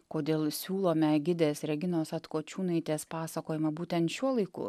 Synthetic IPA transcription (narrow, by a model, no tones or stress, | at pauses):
koːd̪ʲeːlˠsʲuːlˠoːmʲɛɡʲɪd̪ʲeːsɾʲɛɡʲɪnoːsɐt̪koːt͡ʃʲuːnɐɪt̪ʲeːspɑːsɐkoːjɪmɐbuːt̪ʲɛnt̪ʃʲuɔlˠɐɪkʊ̰